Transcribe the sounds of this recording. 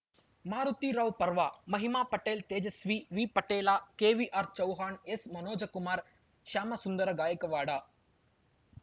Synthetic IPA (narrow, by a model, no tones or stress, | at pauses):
maːɾut̪iːɾɐʋpɐɾʋaːmɐɦimaːpɐʈeːlt̪eːd͡ʒɐsʋiːʋiːpɐʈeːlaːkeːʋiʔaːɾt͡ʃɐwɦaːɳesmɐnoːd͡ʒɐkumaːɾ | ʃaːmɐsund̪ɐɾɐɡaːjɐkɐʋaːɽaː